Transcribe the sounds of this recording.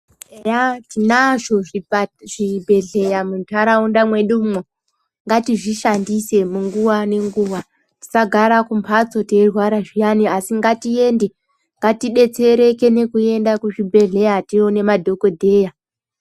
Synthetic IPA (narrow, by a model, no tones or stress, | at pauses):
ejatinaʐoiʐibʱe̞ɮe̞jamutʰaɾaundamwe̞ɗumwo | ŋɡatiʐiʃandise̞muŋɡuʋane̞ŋɡuʋa | ti̥saɡʱaɾakumpʰat͡so̞terwaɾaʐijaniasiŋɡatie̞nde̞ | ŋɡatiɗe̞t͡se̞ɾe̞ke̞ne̞kue̞ndakuʐibʱe̞ɮe̞jatione̞madʱo̞ko̞dʱe̞ːja